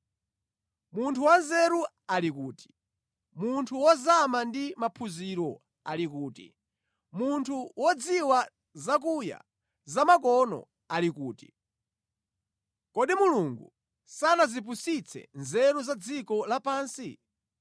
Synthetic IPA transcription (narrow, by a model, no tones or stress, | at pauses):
muntʰuwanzɛɾu | alikuːti̥ | muntʰuwɔzamandimapʰuziɾɔ | a̰likuːtḭ | muntʰuwɔd͡ziwa | zak̬uja̰ | zamakɔnɔ̰ | alikuːti̥ | kɔɗimuluŋɡṵ | sanazip̬usit͡sʰɛ̰nzɛɾuzad͡zikɔlapaːnsi